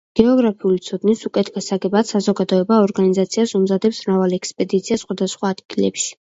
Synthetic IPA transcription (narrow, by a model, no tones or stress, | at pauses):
ɡ̥ɛɔɡɾapʰiulit̪sʰɔd̪nisukʼɛt̪ʰɡasaɡɛbat̪sazɔɡad̪ɔɛbaɔɾɡanizat̪sʰiasumzad̪ɛpsmɾavalɛkspʼɛd̪it̪sʰiasχwad̪asχwaːd̪ɡilɛ̰pʃi̥